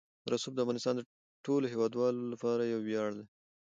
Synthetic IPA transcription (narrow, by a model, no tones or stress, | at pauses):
ɾasub̚d̪əafɣɑnɪst̪ɑnd̪ə | ʈoloɦewɑd̪wɑlolapɑɾajawːjɑɽd̪e